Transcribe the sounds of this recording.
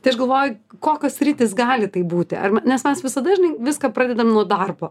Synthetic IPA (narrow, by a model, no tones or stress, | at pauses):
t̪ʲɐɪɐʃɡɐlˠʋoːjʊkoːkʲoːssʲɾʲiːt̪ʲɪsɡɑːlʲɪt̪ɐɪbuːt̪ʲɪʔɐ̰rmʲɛnʲɛsmʲɛsʋʲɪsɐd̪ɐʒʲɪnɐɪʋʲɪskɐpɾɑːd̪ʲɛd̪ɐmnuɔd̪ɐrboː